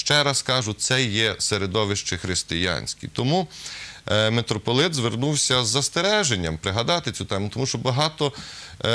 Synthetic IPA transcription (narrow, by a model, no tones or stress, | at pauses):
ʃt͡ʃɛɾɐskɑʒʊsɛjɛseɾed̪ɔʋɪʃt͡ʃɪxɾɪst̪ɪjɑ̰nʲsʲkʲḭt̪ɔmu | met̪ɾɔpɔlˠɪt̪zʋernuwsʲɐzːɐst̪eɾɛʒenʲːɐmpɾɪɦɐd̪ɑt̪ɪt͡sʲut̪ɛmʊt̪ɔmuʃt͡ʃɔbɐɦɑt̪ɔ